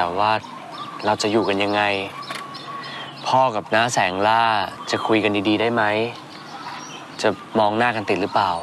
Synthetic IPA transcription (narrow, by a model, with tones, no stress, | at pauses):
ɛː˨˩waː˥˩ | ɾa˧wt͡ɕa˨˩juː˨˩ka˧nja˧ŋːa˧j | pʰɔː˥˩ka˨˩p̚naː˦˥sɛː˩˦ŋlaː˥˩t͡ɕa˨˩kʰu˧jka˧ndiː˧diː˧daː˥˩jma˦˥j | t͡ɕa˨˩ | mɔː˧ŋnaː˥˩kʰa˧nt̪i˨˩t̪̚lɯː˦˥plaː˨˩w